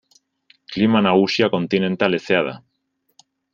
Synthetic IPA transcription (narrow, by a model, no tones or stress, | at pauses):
klimanaɣusjako̞nt̪inẽ̞nt̪aleseaða̰